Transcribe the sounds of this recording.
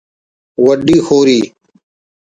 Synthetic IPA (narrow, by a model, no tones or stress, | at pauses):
wəɖiːxoːɾiː